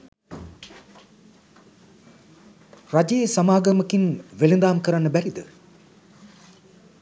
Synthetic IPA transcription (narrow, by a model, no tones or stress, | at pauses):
rad͡ʒejesamaːɡɐməkinʋelind̪aːmkəɾanːəbæɾid̪ə